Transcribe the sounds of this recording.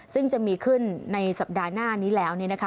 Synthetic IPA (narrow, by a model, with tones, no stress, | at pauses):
sɯ˥˩ŋt͡ɕa˨˩ʔmiː˧kʰɯ˥˩nːa˧jsa˨˩p̚daː˧naː˥˩niː˦˥lɛː˦˥wni˥˩ɐna˦˥kʰa˦˥